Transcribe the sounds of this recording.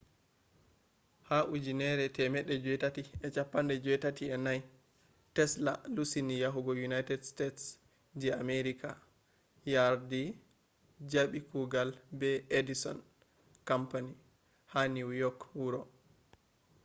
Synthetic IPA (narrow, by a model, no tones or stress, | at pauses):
haʔud͡ʒinɛɾɛtɛmɛɗːɛd͡ʒɔjtatiɛt͡ʃapːandɛd͡ʒɔjtatiɛnaj | tɛsla̰lusinijaɦuɡɔjunajtɛdstets | d͡ʒɛameɾikʰa̰ | jaɾdi | d͡ʒaɓikuɡalbɛedisɔn | kampani | haniuwjɔkwuɾɔ